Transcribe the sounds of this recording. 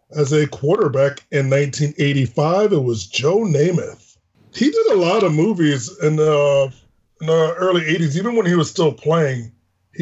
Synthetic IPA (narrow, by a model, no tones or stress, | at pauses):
ɨzɨkʰw̥ɔɹɾə˞bækɨ̃nːãɪ̃ntʰĩneɪɾifaɪvɨt̚wʌzd͡ʒoʊneɪmɨ̰θ | hidɨɾəlɔɾʌvmuvizɪ̃nʌ̃ | n̩əɜ˞lˠieɪɾizivɨ̃nwə̃niwʌz̥stɪlˠpʰl̥eɪɪ̃ŋ